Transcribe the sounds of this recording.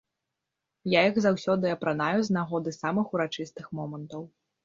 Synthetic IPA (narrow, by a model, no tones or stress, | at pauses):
jajiɣzawsʲɔd̪ɨɐpɾanajuznaɣɔd̪ɨsamɨxuɾat͡ʂɨst̪ɨxmɔmɐnt̪ɐw